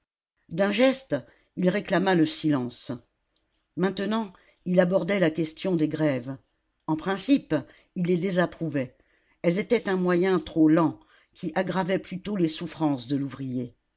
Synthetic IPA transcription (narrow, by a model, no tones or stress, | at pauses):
d̪ɛ̃ʒɛst̪ | ilʁeklamaləsilɑ̃s | mɛ̃t̪ənɑ̃ | ilabɔʁd̪ɛlakʲɛst̪jɔ̃d̪eɡʁɛv | ɑ̃pχɛ̃sip | ilːed̪ezapχuvɛ | ɛlzet̪ɛt̪ɛ̃mwajɛ̃t̪χolɑ̃ | kʲiʔaɡʁavɛplyt̪olesufχɑ̃sd̪əluvʁije